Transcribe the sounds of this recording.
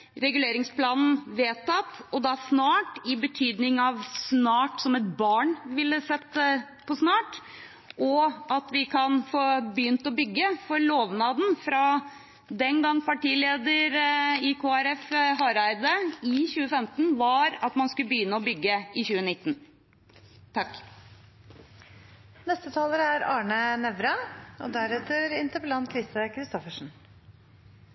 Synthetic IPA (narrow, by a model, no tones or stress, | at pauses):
ɾɛɡʉleːɾɪŋsplɑːnn̩ʋeːt̪ʰɑt̪ɔd̪ɑsnɑːʈɪbət̪ʰyːd̪nɪŋɑʋsnɑːʈsɔmɛt̪̚bɑːɳʋɪlːəsɛt̪ː | pʰɔsnɑːʈ | ʔɔʔɑt̪ʋɪkʰɑnfoːbəjʏnt̪ɔbʏɡːəfɔɾɭoːʋnɑːd̪n̩fɾɑ | d̪ɛnɡɑŋːpɑʈiːleːd̪əɾɪkʰoːæɾɛfɦɑɾɑɾd̪əɪçʉːəfɛmt̪n̩ʋɑɾɑt̪mɑnskʉləbəjʏnːəɔbʏɡːəɪçʉːənɪt̪ːn | t̪ʰɑk | nɛst̪ət̪ʰɑːləɾəæɾɑːɳənɛʋɾɑɔd̪æɾɛt̪əɾɪnt̪ʰəpəlɑn̚kʰɾɪst̪əkʰɾɪst̪ɔfəʂn̩